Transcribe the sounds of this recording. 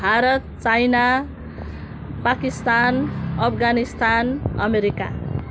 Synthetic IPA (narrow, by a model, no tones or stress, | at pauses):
bʱaɾʌt̪̚t͡sajna | pakist̪anʌpʰɡanist̪anʌmeɾika̰